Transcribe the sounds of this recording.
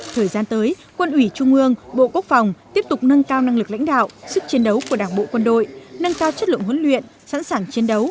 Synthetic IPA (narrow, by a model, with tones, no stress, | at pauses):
t̪ʰəː˨˩jzaː˧nt̪əː˨˦j | kwə˧nʔwi˧˩t͡ɕʊ˧ŋ͡mʔɨ˧əŋɓo̰˧˨ku˦˥ək̚fa˨˩wŋ͡mt̪i˦˥əp̚t̪ʊ˨˩k͡p̚nə˧nkaː˧wna˧ŋlɨ˨˩k̚la̰˧˥jŋ̟ɗa̰ː˧˨wʔsɨ˦˥k̚t͡ɕi˨˦ənɗə˨˦wku˧˩əɗaː˧˩ŋɓo̰˧˨kwə˧nɗo̰˧˨jnə˧nkaː˧wt͡ɕə˦˥t̚lɨ̰˧˨ŋɦə˨˦nlwḭ˧˨ən | sa̰˧˥nsaː˧˨˩ŋt͡ɕi˨˦nɗə˨˦w